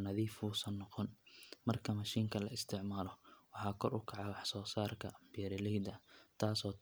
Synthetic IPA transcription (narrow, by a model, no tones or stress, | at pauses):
nɐðiːfuːsɐnːɔqɔnmɐrkʰɐmɐʃiːŋkʰɐlɐɪst̪ʰɪʕmaːlɔwɑħɑːkʰɔrʊkʰɑʕɑwɑħsɔːsaːrkʰɐ̰bɪjɛɾɪlɛjd̪ɐt̪ʰaːsɔː